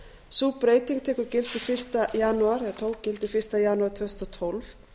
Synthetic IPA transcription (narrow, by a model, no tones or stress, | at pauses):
supɾeːjt̪iŋt̪ʰɛːkʏɾcɪlt̪ɪfɪr̥st̪ajanːuaɾɛðt̪ʰoːwcɪlt̪ɪfɪr̥st̪ajanːuaɾ̥t̪ʰœst̪ɔt̪ʰɔlv